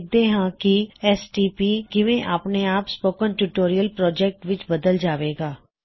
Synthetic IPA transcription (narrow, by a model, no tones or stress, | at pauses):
k̚d̪eːɦãːkɪɛːsʈiːpiːkɪʋẽːʔaːpneːaːpspoːkənʈuʈoːɾijəlpɾɔːd͡ʒɛːk̚ʈʋɪt͡ʃbəd̪əld͡ʒaːʋeːɡaː